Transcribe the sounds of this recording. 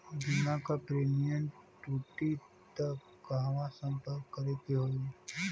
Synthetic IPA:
dinãkapɾemijə̃ɳʈʈuːʈi | t̪ək | kaɦʋãsə̃mpəɾkːəɾet̪iɦoi

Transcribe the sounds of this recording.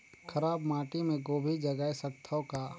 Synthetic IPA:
kʰəɾaːbmaːʈimẽɡoːbʱid͡ʒɐɡaːesɐkt̪ʰakaː

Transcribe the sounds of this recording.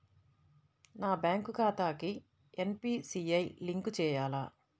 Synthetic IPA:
naːbjaːŋkukaːt̪aːki | enpiːsiːɐjliŋkut͡ʃɛːjaːlaː

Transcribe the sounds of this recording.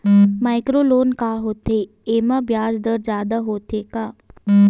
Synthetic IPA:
maːɪkɾoloːnkaːɦoːt̪e | eːmabjaːd͡ʒd̪əɾd͡ʒjaːd̪aɦoːt̪ekaː

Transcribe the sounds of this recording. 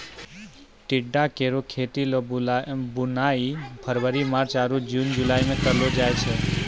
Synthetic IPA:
ʈɪɖːakeɾokʰet̪ilobʊnaipʰəɾʋəɾimaɾt͡ʃaɾud͡ʒund͡ʒulajmẽt̪əlod͡ʒajt͡ʃʰe

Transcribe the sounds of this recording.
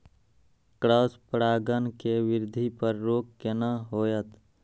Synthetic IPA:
kɾaːspɾaːɡənkeʋɪɾd̪ʱipəɾːoːkkenaɦoːjət̪

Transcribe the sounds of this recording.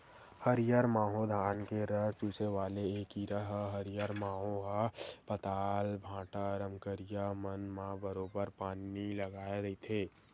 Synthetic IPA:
həɾɪjaɾmaːɦod̪ʱaːnkeɾəɦt͡ʃuːseʋaːleeːkiɾəɦɦəɾjəɾmaːɦoɦapət̪aːlbʱãːʈaɾəmkəɾijamənmãbəɾoːbəɾpaːniləɡaːeɾit̪ʰeː

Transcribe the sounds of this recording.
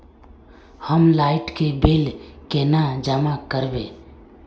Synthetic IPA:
həmlaːɪʈkebelkenad͡ʒəmakəɾbeː

